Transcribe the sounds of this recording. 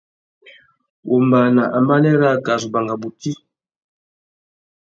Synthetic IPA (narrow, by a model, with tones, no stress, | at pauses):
ʔṵ˨mba˨na˨ʔa˨mba˦nɛ˦ɾa˦˨ka˨zu˨ba˨ŋɡa˨bu˨ti˦